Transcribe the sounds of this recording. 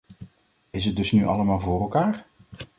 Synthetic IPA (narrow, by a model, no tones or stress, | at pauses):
ɪsət̚dɵsnyʔɑ̰ləmaːlˠvʊːɾɛlˠkaːɹ